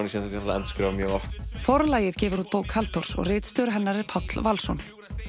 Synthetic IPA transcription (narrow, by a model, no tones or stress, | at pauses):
nisɛmθɛt̪at̪aɛ̰nt̪skɾawmjœːɣɔft̪fɔɾlaːjɪðcɛːvʏɾuːt̪̚poːwkhalt̪ɔɾ̥sɔ̰ɣrɪːt̪st̪œːɾʏɦɛnːaɾɪɾ̥pʰɔt̪lvalsɔn